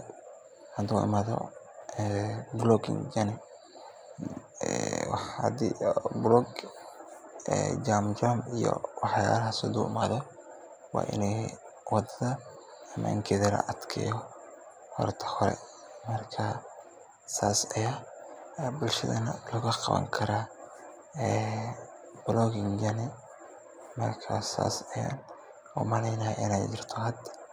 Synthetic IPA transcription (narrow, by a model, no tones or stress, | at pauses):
hɐd̪uʔɪ̰maːðɔ̰ | ɛblɔɡɪ̰ŋd͡ʒanɪ | wɑħad̪iblɔɡ | ɛ̰d͡ʒamd͡ʒamijɔ̰wɑħjaːɾɐɦɐsʊd̪uːʔɪmaːðɔ | wɑ̰ːʔɪ̰nɛjwɑd̪ɐðɐ | ɐma̰ŋkʰɛðɐlɐ̰ʔɐd̪kʰɛ̰jɔ | hɔ̰rt̪ʰɐ̥hɔɾɛ̰ | mɐrkʰa | saːsɐjaː | bʊlʃɐ̰ðɐnɐlɐɣɐqɑ̰βɐ̰ŋkʰɐɾa | ɛ | blɔɡɪŋd͡ʒɐnɪ | mɐrkʰa̰sa̰ːsɐja̰n | ɔmɐlɛjnɐhɛɪnɛjd͡ʒɪrt̪ʰɔɦɐd̪ɐ